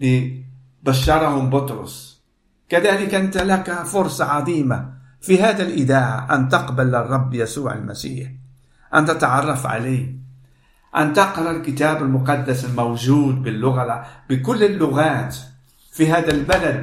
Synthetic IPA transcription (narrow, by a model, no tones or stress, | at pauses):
li | baʃːɑɾˤɑhʊmbʊt̪ɾˤʊ̰sˤ | kaðaːlɪkʔant̪alakafʊɾˤsˤɑʕɑðˤiːma | fihaːd̪alʔɪd̪aːʕaʔant̪ɑqbalːɑrˤːɑbːjasuːʕa̰lmasiːħ | ʔant̪at̪ʕɑrˤːɑfʕa̰laː | ʔant̪ɑqɾˤɑlkɪt̪aːbalmʊqɑd̪ːasɪlmawʒuːd̪̚bɪlːʊɣalb̥ɪkʊlːɪlːʊɣaːt̪ | fiɦaːd̪albalad̪̚